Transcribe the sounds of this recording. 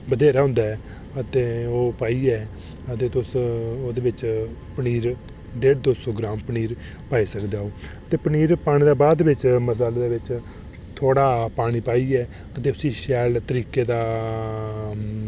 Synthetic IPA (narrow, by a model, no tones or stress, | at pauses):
bəd̪eːɾaːɦʊ̃nd̪aːɛː | ət̪eːoːpaːiːɛː | ət̪eːt̪ʊsoːd̪eːʋɪt͡ʃpəniːɾ | ɖeːd̪oːsoɔːɡɾaːmpəniːɾ | paːiːsəkd̪aːoːət̪eːpəniːɾpaːɽ̃ĩːd̪aːbaːd̪ʋɪt͡ʃməsaːleːd̪eːʋɪt͡ʃ | t̪ʰoːɽaːpaːɽ̃iːpaːiːɛː | ət̪eːʊsiːʃɛːlt̪əɾiːkeːd̪aː